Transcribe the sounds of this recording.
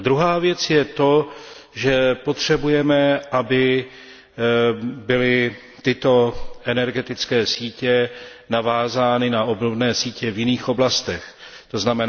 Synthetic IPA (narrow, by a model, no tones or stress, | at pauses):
d̪ɾuɦaːvjɛt͡sjɛt̪o̞ʒɛpo̞t̪r̝̥ɛbujɛmɛʔabɪ | bɪlɪ | t̪ɪt̪o̞ʔɛnɛɾɡɛt̪ɪt͡skɛːsiːcɛnavaːzaːnɪnao̞bnobnɛːsiːcɛvjɪniːxo̞blast̪ɛx | t̪o̞znamɛn